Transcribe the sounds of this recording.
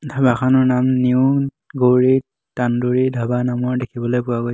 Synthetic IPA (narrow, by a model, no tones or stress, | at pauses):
dʱabakʰanɔɹnamniʊ | ɡoɹi | tanduɹidʱabanamɔɹdekʰibɔlojpʊwaɡoj